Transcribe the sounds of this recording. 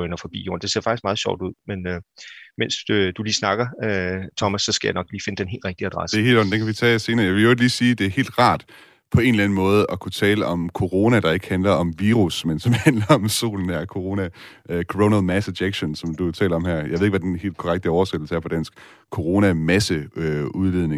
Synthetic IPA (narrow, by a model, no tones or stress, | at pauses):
nɒfɒ̽b̥ḭːjo̰ːɐnd̥e̝se̝ɐfɑ̈ɡ̥isɡ̥ɑ̈ːð̞̩ˠɕɒ̰ʊ̰d̥uð̞̰ˠmenømen̰sd̥uliːsnɑ̈ɡ̥ɐøt͡sʰɒ̽mæsːɒ̽sɡ̥æjäɪnɒ̽ɡ̥liːfe̝nəd̥enɦe̝ːlʁɛɡ̥̚d̥iæd̥ʁasəd̥eɐhe̝̰ːldɒ̽n̩d̥eŋkʰæʋit͡sʰɛ̰ːse̝ːnɐːjɑʋe̝lod̥liːsiːd̥e̝æɐhe̝̰ːld̥ʁɑ̰̈ːd̥ | pʰɒ̽e̝nlæn̩mɔ̽ːð̞̩ˠʔɒ̽kʰut͡sʰɛːləʔɒ̽mkʰo̝ʁo̝næd̥ɑ̈e̝ɡ̥əhænlɐʔɒ̽mʋiːʁusmensɒ̽mhænlɐɒ̽mso̝̰ːln̩æɐkʰo̝ʁo̝næ | kʰoʁonəlmæse̥eɡ̥ɕo̝nsɒ̽md̥uet͡sʰɛ̰ːlɒ̽mhæɐ̰jɑɪʋeðˠeɡ̥ʋæd̥enhe̝̰ːld̥̚kʰɒʁaɡ̥̚d̥əɒʊɐsed̥l̩səæɐfʰɒ̽d̥æn̰sɡ̥ | kʰo̝ʁo̝næmæsəøuðˠʋiðˠne̝ŋ